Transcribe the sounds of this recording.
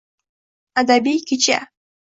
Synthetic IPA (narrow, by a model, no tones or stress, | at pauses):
ad̪abijkɪt͡ʃa̰